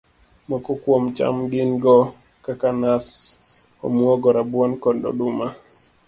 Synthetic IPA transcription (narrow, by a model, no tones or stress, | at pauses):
mɔkɔkwɔmt͡ʃa̰mɡinɡɔ | kakanas | ɔ̰mwɔɡɔɾabwɔnkɔndɔ̰ɗuma